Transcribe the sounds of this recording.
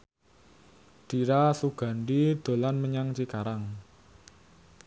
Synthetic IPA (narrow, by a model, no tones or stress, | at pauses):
ɖ̥i̤ɾasuɡ̥a̤ɳɖid̪̥o̤lanməɲaŋt͡ʃikaɾaŋ